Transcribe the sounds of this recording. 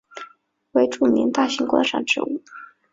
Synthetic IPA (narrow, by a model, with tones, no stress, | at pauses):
we˧˥ɪʈ͡ʂu˥˩mjɛ̰˧˥nt̪a˥˩ɕi˧˥ŋkwa̰˥nʂɑ̰˥˩ŋʈ͡ʂɻ̩̰˧˥u˥˩